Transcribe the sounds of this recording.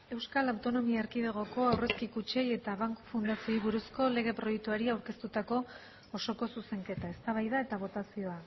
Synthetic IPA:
e̞wskalawt̪o̞no̞miaeɾkiðeɣ̞o̞ko̞awre̞skikut͡ʃe̞je̞t̪aβaŋkfund̪asio̞jβuɾusko̞le̞ɣ̞e̞pɾo̞jek̚t̪uaɾiawɾke̞st̪ut̪ako̞ː | so̞ko̞suse̞ŋke̞t̪ae̞st̪aβ̞ajðae̞t̪aβ̞o̞t̪asio̞a

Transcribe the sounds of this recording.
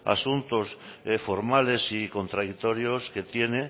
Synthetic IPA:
a̰sunt̪osfoɾmale̞siko̞nt̪ɾaðit̪o̞ɾjoske̞t̪je̞ne

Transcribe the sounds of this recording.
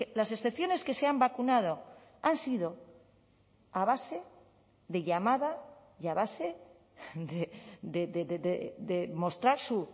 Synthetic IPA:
lase̞sθe̞pθjo̞ne̞ske̞seambakunað̞o̞ | ansiðo̞ | aβase̞ | ðe̞ʎamaða | jaβase | d̪ed̪eðeððedemo̞st̪ɾaɾsu

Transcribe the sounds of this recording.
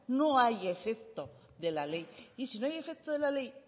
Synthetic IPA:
noajefekt̪o | ðe̞lalejisinoaje̞fek̚t̪oðelale̞j

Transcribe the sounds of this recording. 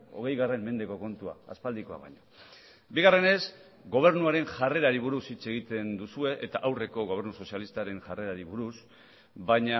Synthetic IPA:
o̞̰ɣ̞e̞jɣare̞mme̞nd̪e̞ko̞ko̞nt̪ua̰a̰spald̪iko̞a̰βa̰jɲo | biɣare̞ne̞s | ɡo̞β̞e̞ɾnuaɾe̞nʝare̞ɾaɾiβuɾusit͡se̞ɣ̞it̪e̞nd̪usue̞ʔet̪aʔawre̞ko̞ɣ̞o̞β̞e̞ɾnuso̞sialist̪aɾe̞ŋʝare̞ɾaɾiβuɾus | bajɲa

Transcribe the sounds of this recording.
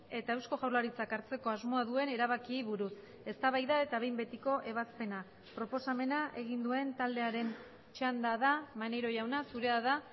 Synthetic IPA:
e̞t̪ae̞wsko̞ɣawɾlaɾit͡sakaɾt͡se̞ko̞azmo̞aðue̞ne̞ɾaβ̞akiβuɾus | e̞st̪aβajðaet̪aβe̞jmbe̞t̪iko̞ʔe̞β̞aspe̞na | pɾo̞po̞same̞naʔe̞ɣ̞ind̪ue̞nt̪ald̪e̞aɾe̞n | t͡ʃand̪aðamaneɾo̞ʝawnasuɾe̞aða

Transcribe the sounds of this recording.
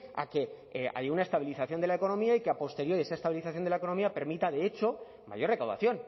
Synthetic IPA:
a̰ke̞ | a̰junae̞st̪aβiliθaθjond̪elae̞ko̞nõ̞miaikeapo̞st̪e̞ɾjo̞ɾie̞sae̞st̪aβiliθaθjonelaeko̞no̞miape̞ɾmit̪aðe̞et͡ʃo̞ | ma̰ʝo̞rekawða̰θjo̞n

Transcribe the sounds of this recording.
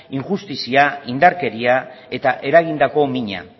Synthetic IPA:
iŋʝust̪isiaind̪aɾke̞ɾiae̞t̪aʔe̞ɾaɣ̞ind̪ako̞miɲa̰

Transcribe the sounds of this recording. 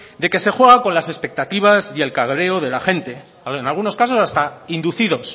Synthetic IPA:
d̪e̞ke̞se̞xwe̞ɣ̞ako̞nlase̞spe̞k̚t̪at̪iβ̞asie̞lkaɣɾe̞oð̞e̞laxe̞nt̪e̞ | aenalɣ̞uno̞skas̬o̞sast̪aind̪uθiðo̞s

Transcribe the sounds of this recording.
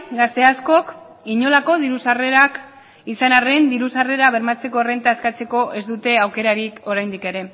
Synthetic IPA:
ɡast̪e̞asko̞k | iɲo̞lako̞ðiɾusare̞ɾak | isanare̞nd̪iɾusare̞ɾaβ̞e̞ɾmat͡se̞ko̞re̞nt̪aeskat͡se̞ko̞ʔe̞zd̪ut̪e̞awke̞ɾaɾiko̞ɾajnd̪ike̞ɾe̞

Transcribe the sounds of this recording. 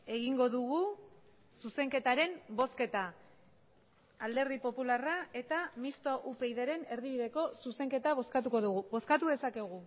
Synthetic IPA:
e̞ɣiŋɡo̞ðuɣu | suse̞ŋke̞t̪aɾe̞mbo̞ske̞t̪a | ld̪e̞ɾðipo̞pularae̞t̪amist̪oʔupe̞jðeɾe̞ne̞ɾðiβiðe̞ko̞suse̞ŋke̞t̪aβ̞o̞skat̪uko̞ðuɣuβo̞skat̪uðe̞sake̞ɣ̞u

